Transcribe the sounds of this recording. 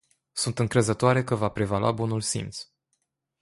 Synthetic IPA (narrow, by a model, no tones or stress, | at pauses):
sunt̪ɨŋkɾe̞zət̪oaɾe̞kəvapɾe̞vala̰bunulsḭnt̪s